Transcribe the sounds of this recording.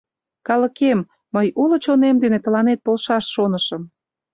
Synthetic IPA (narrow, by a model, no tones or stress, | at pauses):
kɑlə̆kemː | əjulə̆t͡ɕonemd̪enet̪ə̆lɑnet̪̚polʃɑʃːonəʃə̆m